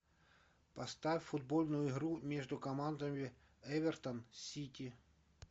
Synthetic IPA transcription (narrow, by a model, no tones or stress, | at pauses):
pɐst̪afʲfʊd̪̚bolʲnʊjʊɪɦɾumʲeʐd̪ʊkɐmand̪əmʲɪ | ɛvʲɛrt̪ənsʲitʲi